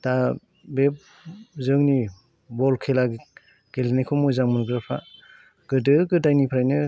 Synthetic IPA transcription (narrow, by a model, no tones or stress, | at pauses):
ta | bep̚ | zɯŋni | bɔlkʰela | ɡ̥elnikʰɔmɔjzaŋmunɡɯɾɯpʰa̰ | ɡ̥ɯdɯɡɯdajnipʰɾajnɯ